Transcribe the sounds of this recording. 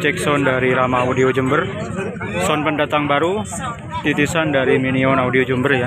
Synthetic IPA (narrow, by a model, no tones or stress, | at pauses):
t͡ʃɛksɔndaɾiɾamaudiod͡ʒumbər | sɔnpəndat̪aŋbaɾu | t̪it̪isandaɾiminiɔnaudiod͡ʒumbərja